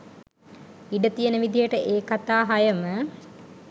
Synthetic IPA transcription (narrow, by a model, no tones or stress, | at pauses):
iɖət̪ijənəʋid̪ijəʈəʔeːkat̪aːɦajəmə